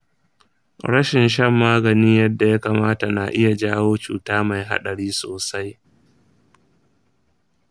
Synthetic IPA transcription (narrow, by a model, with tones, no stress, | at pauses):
ɽɐ˦ʃɪ˨nʃɐ˦mːaː˦ɡɐ˨niː˦jɐ˦dːa˨ja˦kaː˨maː˦ta˨na˨ʔɪ˦ja˨d͡ʒaː˦woː˦t͡ʃṵː˨taː˦ma˨jɦa̰˦ɗɐ˨ɽiː˦soː˨sa˦j